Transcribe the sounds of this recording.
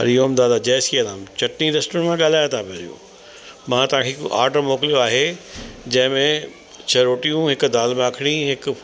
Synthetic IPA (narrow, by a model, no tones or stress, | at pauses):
ɐ̰ɾijomd̪aːd̪ad͡ʑɛːsiɐlaːmt͡ɕɐʈniɾesʈəɾmẽɠaːl̤aːjot̪ʰapeɾḭjṵ̃ | mãːt̪ɐʋ̤ãkʰekʔa̰ːɾʈəmoːklijoaːɦed͡ʑɐ̃ɦɪ̃mẽ | t͡ɕʰɐɾoːʈijũɦɪkd̪aːlmẽaːkʰɪɽ̃iɦɪk